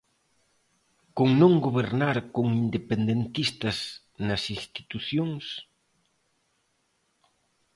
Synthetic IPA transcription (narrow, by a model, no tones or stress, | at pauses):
koŋnõŋɡoβeɾnaɾkoŋind̪epend̪ent̪ist̪ɐz | nɐsist̪i̥t̪uθjoŋs